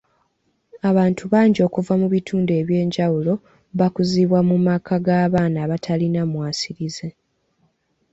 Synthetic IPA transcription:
aβaːntuβaːɲɟo̞ːkuvamuβitʰuːnde̞ːβje̞ːɲɟawulo̞ | βakuziβwamumakʰaɡaːβaːnaːβatʰalinamwaːsiɾize̞

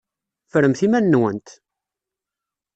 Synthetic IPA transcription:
fəɾəmθimænːwənt̪

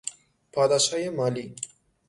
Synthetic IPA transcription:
paːd̪aʃajemaːli

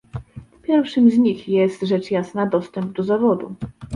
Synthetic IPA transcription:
pʲjɛɾfʂɘmzɲixjɛst̪ʐɛt͡ʂjasnad̪ɔst̪ɛmb̚d̪ɔzavɔd̪ṵ

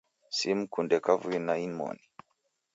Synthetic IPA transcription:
sim̩kundɛkavuinainmɔ̰ni

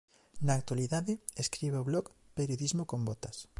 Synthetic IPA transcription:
naːk̚t̪waliðaðɪeskɾiβeoβlɔk | peɾjoðizmokombɔt̪ɐs

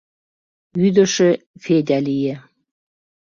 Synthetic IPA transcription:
yd̪ə̆ʃĕfed̪ʲælije

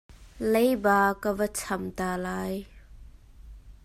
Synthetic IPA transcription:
lejbaːkəvət͡sʰɐmt̪alaːj

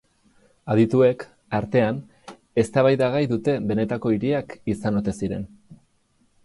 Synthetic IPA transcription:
aðit̪ue̞k | aɾt̪e̞an | e̞st̪aβajðaɣ̞ajðut̪e̞be̞ne̞t̪ako̞iɾiakisano̞t̪e̞siɾe̞̰n

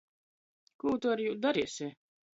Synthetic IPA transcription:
kuːt̪uaɾjuːd̪aɾiːsʲeː

